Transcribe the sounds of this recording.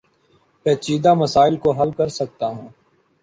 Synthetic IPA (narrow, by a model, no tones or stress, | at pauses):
pɛːt͡ʃiːd̪aməsaːɪlkoɦɐlkɐɾsək̚t̪aɦũː